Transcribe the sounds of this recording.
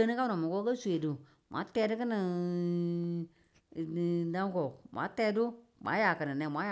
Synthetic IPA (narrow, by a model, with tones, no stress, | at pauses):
ə˦nɨ˦ka˦nɔ˨mu˨kɔ˦kə˦su˨e˨du˨ | mʷ˨a̰˨˦tɛː˧˦dɨ˦kɨ˦nɨ˨ | da˦ŋ˦kɔ˨mʷʔa̰˨˦tɛː˧˦du˦mʔa̰˨˦ja˨kɨ˨nɨ˨nɛ˨mʷ˨a˦j